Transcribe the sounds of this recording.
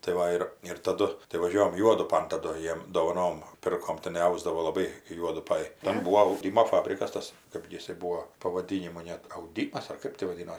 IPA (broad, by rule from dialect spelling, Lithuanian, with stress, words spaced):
tɐɪ ˈʋɐ ɪr ɪr tɐˈdʊ tɐɪ ʋɐˈʒʲuɔjɛm ˈjuɔdʊpɐn tɐˈdʊ ˈjiɛm doːʋɐˈnoːm ˈpʲɪrkoːm tʲɪˈnɐɪ ˈɐʊzdɐʋoː lˠɐˈbɐɪ kɐɪ ˈjuɔdʊpɐj ˈtʲɛn ˈbuːoː ɐʊˈdʲɪmoː ˈfɑːbʲrʲɪkɐs ˈtɐs ˈkɜp ɡʲɪ ˈjɪsɐɪ ˈbuːoː pɐʋɐˈdʲiːnʲɪmoː nʲɛt ɐʊˈdʲiːmɐs ɐr ˈkɜp tʲɪ ʋɐˈdʲɪnoː